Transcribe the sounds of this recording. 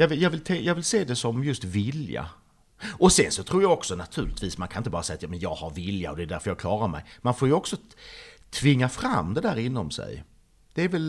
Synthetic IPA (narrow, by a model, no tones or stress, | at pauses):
jɑːvɪjɑːɡvɪlt̪ʰɛjɑːɡvɪlseːd̪ɛsɔmjɵst̪vɪlja̰ | ɔsɛnsɔt̪ʰɾuːɾjɑɔksɔnat̪ʰʉ̟ːlɪt̪viːsmankʰanɪnt̪əɑːɾasɛjat̪jɑːmɛnjɑːɡhaɾvɪlja̰ɔd̪ɛːd̪æɾfœɾjɑːɡ̚kʰlɑːɾaɾmɛ̰jmanfoːɾjɵɔksɔt̪ʰvɪŋːafɾamːd̪ɛd̪æːɾɪnːɔmsɛ̰j | d̪̥ɛːɾvɛl